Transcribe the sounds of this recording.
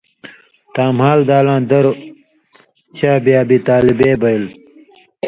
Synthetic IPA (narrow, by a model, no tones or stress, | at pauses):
t̪aːmhaːld̪aːlãːd̪ɐɾ | t͡ɕʰaːbiaːbit̪aːlibeːbɐil